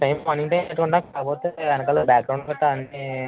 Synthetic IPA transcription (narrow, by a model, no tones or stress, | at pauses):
ʈɐjmɐniʈɐjmeʈːukuɳʈaːkaːɡpoːt̪eːɐnɐkɐlobaːɡ̚ɾɐw̃ɳkɐʈːaɐni